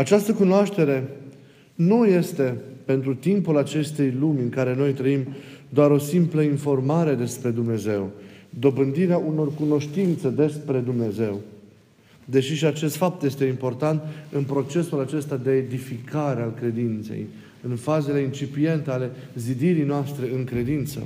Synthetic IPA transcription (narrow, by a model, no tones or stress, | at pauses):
at͡ʃast̪əkunoaʃt̪e̞ɾe̞ | nuje̞st̪e̞pe̞nt̪ɾut̪impulat͡ʃe̞st̪e̞jlumʲɨŋkaɾe̞no̞jt̪ɾəimd̪oaɾo̞simpləinfo̞rmaɾe̞d̪e̞spɾe̞d̪umne̞ze̞wd̪o̞bɨnd̪iɾeaʔuno̞rkuno̞ʃt̪int̪sed̪e̞spɾe̞d̪umne̞ze̞w | d̪e̞ʃiʃiat͡ʃe̞st̪fap̚t̪je̞st̪e̞impo̞rt̪ant̪ɨnpɾo̞t͡ʃe̞sulat͡ʃe̞st̪ad̪e̞ːd̪ifikʰaɾealkɾe̞d̪int̪se̞̰j | ɨnfaze̞le̞int͡ʃipije̞nt̪eale̞ | zid̪iɾijnoast̪ɾe̞ɨŋkɾe̞d̪int̪sə̰